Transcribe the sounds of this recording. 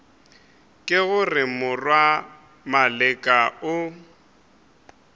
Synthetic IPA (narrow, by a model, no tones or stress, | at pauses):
kʼɪɣʊrɪmʊrwa | malɪkʼaʊ